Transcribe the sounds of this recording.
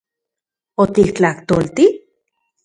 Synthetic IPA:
ot̪ikt͡ɬaht̪olt̪ih

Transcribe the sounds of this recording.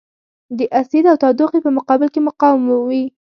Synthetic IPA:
d̪əʔasid̪awt̪ɑd̪oqepəmʊqɑbɪlkemʊqɑwmawi

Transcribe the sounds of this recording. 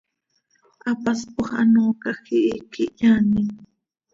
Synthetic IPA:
apaspaχa̰noːkakiːkɪʎanɪŋ

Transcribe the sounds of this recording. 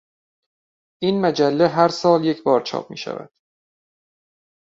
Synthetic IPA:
ʔiːnmæd͡ʒælːeɦæɾsɒːlje̞cʰbɒːɾt͡ʃʰɒ̰ːp̚mḭːʃæ̰væ̰d̪̥

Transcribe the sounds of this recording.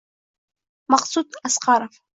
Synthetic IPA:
maχsutʼasqʰaɾaf

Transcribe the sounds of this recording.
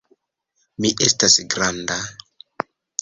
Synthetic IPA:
miʔestasɡɾanda

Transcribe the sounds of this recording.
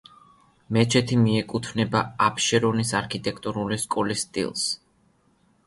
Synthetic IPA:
mɛt͡ʃʰɛt̪ʰimiɛkʼut̪ʰvnɛbaapʰʃɛɾɔnisaɾkʰit̪ʼɛkʰt̪ʼɔɾuliskʼɔlist̪ʼḭlˠs

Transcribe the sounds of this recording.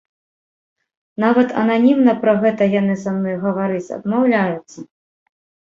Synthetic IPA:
navɐt̪ɐ̰nanʲimnɐpɾɐɣɛt̪ɐjanɨsamnɔjɣɐvaɾɨt͡sʲɐ̰d̪mawlʲajut̪sːɐ

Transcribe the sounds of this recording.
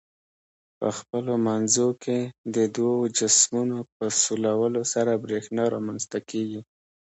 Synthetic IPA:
pə̰xpəlomanzokʰed̪əd̪wawod͡ʒasmunopəsulawəlosaɾabɾexnɑɾɑmanst̪akʰeɡi

